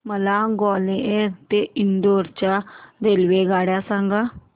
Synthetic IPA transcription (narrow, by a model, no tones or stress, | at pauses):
məlaːɡɔːleet̪eːʔɪnd̪oːɾt͡ʃad̪eːlʋeːɡaːɽjaːsãːŋɡaː